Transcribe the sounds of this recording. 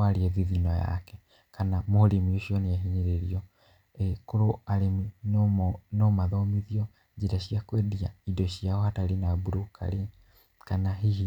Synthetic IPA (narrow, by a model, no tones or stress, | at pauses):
aɾeɛðiðinɔja̰kɛ | kanamohoɾemioɕiɔneaɦiɲeɾeɾiɔ | koɾoaɾemi | nomaðɔmiðiɔ | d͡ʒeɾaɕiakwediaidɔɕiaɔhataɾenabuɾoka̰ɾe | kanaɦiɦi